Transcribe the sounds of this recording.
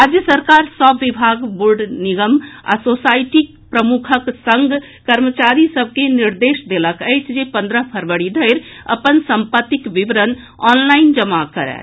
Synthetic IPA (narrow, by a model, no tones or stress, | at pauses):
ɾad͡ʒjəsəɾkaɾsəbːibʱaɡbuɾɖniɡəma̰sosaɪʈik | pɾəmukʰəksə̃ŋɡʱ | kəɾmət͡ʃaɾisəb̚ʱkeniɾd̪eʃd̪eləkəɪt͡ʃʰd͡ʒepə̃nd̪ɾəpʰəɾʋəɽid̪ʱəɪɾə̰pənsəmpət̪ːikʋiʋəɾən | ɔnlaɪnd͡ʒəmakəɾɛ̰